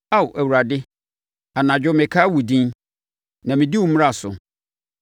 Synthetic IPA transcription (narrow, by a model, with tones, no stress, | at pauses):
a˦˨wʔæ˨wu˨ɾa˨dɪ˦ | a˨nã˨d͡ʑᶣʊ˦mɪ̃˨kʰa˦wu˨dĩ˦n | nã˨mĩ˨di˦wʊ˨˦m˦a˦˨sʊ̰˨